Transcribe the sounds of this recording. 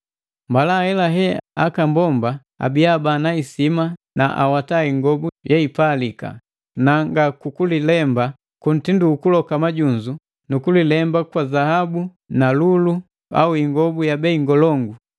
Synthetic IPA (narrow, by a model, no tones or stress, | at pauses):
mbalahɛlaɦɛakambɔmba | a̰biabanaisimanaʔa̰wataiŋɡɔbujaipalika̰ | naŋɡakukulilɛmba | kun̩tinduːkulɔkamaɟunzu | nukulilɛmbakwazahabu | nalulu | a̰uiŋɡɔbujabɛiŋɡɔlɔŋɡu